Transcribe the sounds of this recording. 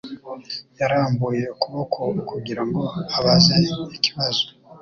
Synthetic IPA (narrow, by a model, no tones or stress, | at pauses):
jaɾaːmbuje̞kuβokʰokuɟiɾaŋɡo̞aβazeiciβazo̥